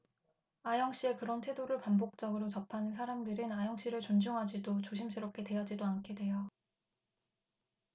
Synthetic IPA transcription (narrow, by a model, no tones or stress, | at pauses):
ajʌŋɕ͈ie̞kɯɾʌntʰwe̞doɾɯɭpambok̚t͡ɕ͈ʌɡɯɾot͡ɕʌpʰanɯnsʰaɾamdɯɾinajʌŋɕ͈iɾɯɭt͡ɕond͡ʑuŋɦad͡ʑidot͡ɕoɕʰims͈ʰɯɾop̚k͈e̞twe̞jʌd͡ʑidoankʰedwe̞jo